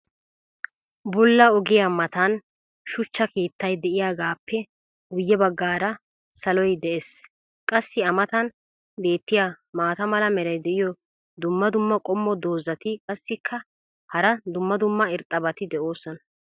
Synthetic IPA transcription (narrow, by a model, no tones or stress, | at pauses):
bʊlːɐɔɡɪjamɐt̪ɐn | ʃʊt͡ʃːɐke̞ːt̪ːɐjd̪ɛʔɪjaːɡaːpʰːɛ | ʊjːɛbɐɡːaːɾɐ | sɐlɔjd̪ɛʔes | kʼɐsːɪɐmɐt̪ɐn | be̞ːt̪ːɪjamaːt̪ɐmɐlɐmɛɾɐjd̪ɛʔɪjɔ | d̪ʊmːɐd̪ʊmːɐkʼɔmːɔd̪o̞ːzɐt̪ɪkʼɐsːɪkʰːɐ | hɐɾɐd̪ʊmːɐd̪ʊmːɐɪɾt̪ʼːɐbɐt̪ɪd̪ɛʔoːsɔnɐ̥